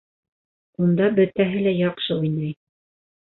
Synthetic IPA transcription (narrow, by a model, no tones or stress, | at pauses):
und̪ɑbɵ̆t̪æɦɘlæjɑqʃɤujnɑj